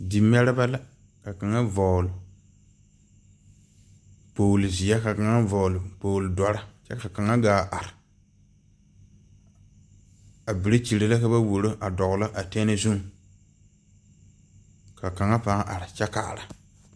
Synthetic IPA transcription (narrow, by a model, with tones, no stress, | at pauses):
di˨m˦ɛ˦ɾɪ˦ba˦la˦ | ka˨ka˨ŋa˦vɔː˨lʊ˨ | poː˨lzi˨a˦ka˨ka˨ŋa˦vɔ˨lʊ˨poː˨ldɔ˨ɾa˦t͡ʃɛ˦ka˨ka˨ŋa˦ɡaː˦ʔa˨ɾɪ˨ | a˨bi˨ɾe˦t͡ʃi˨ɾe˨la˦ka˦ba˦wo˨ɾo˦ʔa˨dɔ˨ɡʊ˨la˦ʔa˨tɛ˦nɪ˦zu˦ŋ˨ | ka˨ka˨ŋa˦pa˦ʔa˨ɾa˨t͡ʃɛ˦ka̰˨ɾa˨